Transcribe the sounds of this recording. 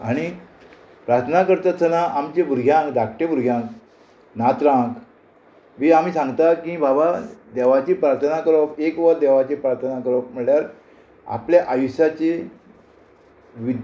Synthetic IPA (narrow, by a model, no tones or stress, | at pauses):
aɽ̃i | pɾaɾt̪ʰənakəɾt̪əsənaʔamt͡ɕebuɾɡʱjãŋkd̪akʰʈebuɾɡʱjãŋk | nat̪ɾãk | ʋiːamiːsãŋɡt̪akĩbʱabad̪ɛʋat͡ɕipɾaɾt̪ʰənakəɾɔkekʋəɾd̪ɛʋat͡ɕepɾaɾt̪ʰənakəɾɔkm̤əljaɾ | a̰pljaʔajusat͡ɕe | ʋid̪